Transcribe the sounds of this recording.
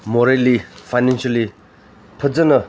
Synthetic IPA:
moɾelifʰajnanɕali | pʰəzənə

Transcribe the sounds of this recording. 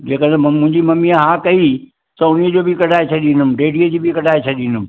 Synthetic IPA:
d͡ʑeːkəd̪ɐmʊ̃ɦɪ̃ɲd͡ʑimɐmijaɦãːkɐi | t̪ɐʊniəd͡ʑoːbɪkɐɖʱaːet͡ɕʰɐɗinʊmɪ̆ɖeːɖiəd͡ʑiːbʱikɐɖʱaːet͡ɕʰɐɗinʊmɪ̆

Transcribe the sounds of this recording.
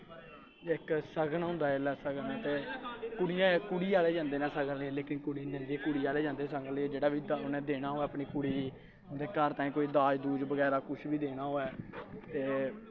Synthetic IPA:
ɪksəɡənɦʊ̃nd̪aːɪlɛːsəɡənːt̪eːkʊɽijãːkʊɽiːaːleːd͡ʒãːnd̪eːnãːsəɡəlːẽleːkɪnkʊɽiːnẽndiːkʊɽiːaːleːd͡ʒãːnd̪eːsəɡənlːd͡ʒeːɽaːbiːʊnẽːd̪eːɽaːɦoːɛːəpɳiːkʊɽiː | ʊd̪eːkəɾt̪aːĩːkoːiːd̪aːd͡ʒd̪uːd͡ʒbəɡɛːɾaːkʊʃʰbʱiːd̪eːɽaːɦoːɛːt̪eː

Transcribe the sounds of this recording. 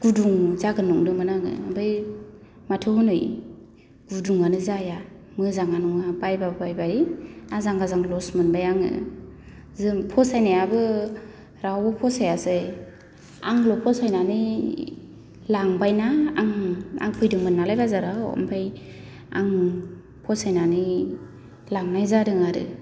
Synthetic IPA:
ɡ̥uduŋzaɡɯnɔŋdɯmɯnaŋɯ̰mbʰɯj | matʰɯhɔnɯj | ɡ̥uduŋanɯzaja | mɯzaŋanɔŋabajbabbajbaiazaŋɡazaŋlɔsmɯnbajaŋɯ̰ | zɯmpʰɔsajnajabɯ | ɾawɯpʰɔsajase | a̰ŋlɔpʰɔsajnani | laŋbajnaːŋa̰ŋpʰɯjdɯŋmɯnːalajbazaɾaɔ̰mpʰaj | a̰ŋ | pʰɔsajnani | laŋnajzadɯŋaɾɯ̰

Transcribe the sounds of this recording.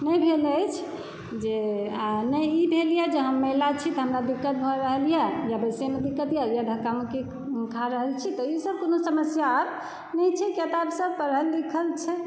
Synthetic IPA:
nɛjbʱeləjt͡ʃʰ | d͡ʒeanɛjibʱelijɛd͡ʒeɦəmːəlat͡ʃʰit̪ɦəmɾad̪ikːət̪̚bʱɔɾəɦəlijɛjabəsemed̪ikːət̪jajaɖʱəkameki | kʰaɾəɦəlt͡ʃʰit̪ɔisəb̚konosəməsjaɾ | nɛjt͡ʃʰɛket̪absəbpəɾɦəlːikʰəlt͡ʃʰɛ

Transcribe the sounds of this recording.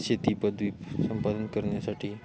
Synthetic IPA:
t͡ɕet̪ipəd̪ʋiːsəmpad̪ənkəɾɳjasaʈʰiː

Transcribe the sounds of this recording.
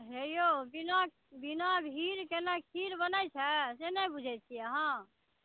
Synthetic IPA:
ɦejobinak | binabʱɦiɾkenakʰiɾbənəjt͡ʃʰɛsenəbud͡ʒʱɛt͡ʃʰiəɦã

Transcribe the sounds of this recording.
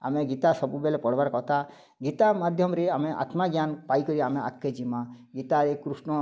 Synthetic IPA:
a̰meɡit̪asɔbubelepɔɽ̤baɾkɔɦt̪ʰa | ɡit̪amad̪ʱjɔmɾeameʔa̰t̪maɡjanpaikɔɾiamea̰kːed͡ʒima | ɡit̪aɾekɾusɳɔ

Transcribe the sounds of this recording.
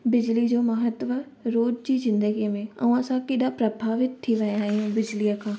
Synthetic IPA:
bɪd͡ʑlid͡ʑoːmɐɦət̪ʋə | ɾoːd͡ʑd͡ʑiːzɪ̃nd̪əɡiəmẽɐ̰ũãsãkɪɗapɾɐbʱaːʋɪt̪t̪ʰːiʋɐjaːɦijũbɪd͡ʑlijəkʰãː

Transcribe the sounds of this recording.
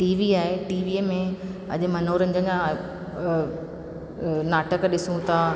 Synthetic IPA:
ʈiːʋiaːɦeʈiːʋiːmẽɐ̰ʄ̆mɐnoːɾə̃ɲd͡ʑəɲd͡ʑã | naːʈəkɗɪsũt̪ʰa

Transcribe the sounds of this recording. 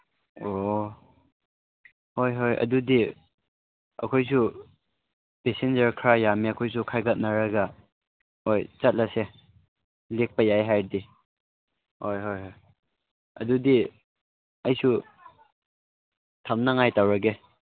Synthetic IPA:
o | hojɦojʔɐ̰dudi | ɐ̰kʰojs̬u | pesend͡ʒɐɾkʰɾajamiɐkʰojs̬ukʰajɡat̚naɾaɡa | ojt͡ʃat̚lase | lek̚pɐjajɦajdi | hojɦojɦoj | ɐ̰dudi | ɐjsu | tʰamnaŋajtawɾaɡe

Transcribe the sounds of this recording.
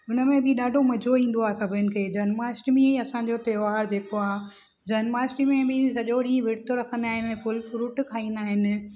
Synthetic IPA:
ʊnəmẽbʱɪɗaːɖʱomɐd͡ʑʱoĩːn̆d̪oaːsɐbʱənɪ̆kʰeːd͡ʑɐːnmaːsʈmĩiɐsãd͡ʑoːt̪ɐːʋaːɾd͡ʑeːkoaː | d͡ʑɐːnmaːsʈimẽbɪsɐʄoɽĩːẽʋɪɽt̪ʰoɾɐkʰə̃nd̪aːɦɪnɛ̃fʊlfɾuːʈkʰaːĩːnd̪aːɦɪnɪ̆

